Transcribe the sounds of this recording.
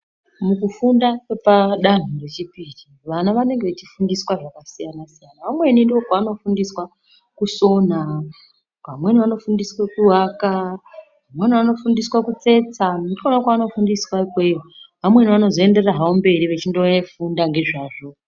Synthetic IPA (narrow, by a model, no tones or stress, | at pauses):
mukufundakepaɗan̤ure̞t͡ʃipiri | ʋanaʋane̞ŋɡeʋet͡ʃifundiswaʐakasijanasijanaʋamwe̞nindiokwaːno̞fundiswa | kuso̞n̤a | kamwe̞niʋano̞fundiswakuɦaka | ʋamweniʋano̞fundiswakut͡se̞t͡sanut͡ʃonakaːno̞fundiswakweoʋamwe̞niʋano̞zoenderaɦaombe̞ɾiʋet͡ʃindoefundaŋɡe̞ʐaːʐo̞